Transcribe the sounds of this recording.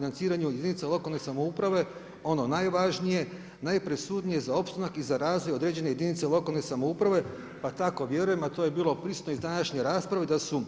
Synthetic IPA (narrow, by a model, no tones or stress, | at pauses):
inant̪siːɾaɲujed̪init̪selo̞kalˠne̞samoupɾaʋe̞ | o̞no̞najʋaʒnije̞ | najpɾesuːd̪nije̞zao̞pst̪anakizaɾaːzʋo̞jod̪ɾe̞ːd͡ʑe̞ne̞jed̪init̪selˠo̞kalˠne̞samoupɾaʋe̞ | pat̪ako̞ʋje̞ɾuje̞mat̪o̞je̞biːlo̞pɾisut̪noizd̪anaʃɲeɾaːspɾaʋed̪asu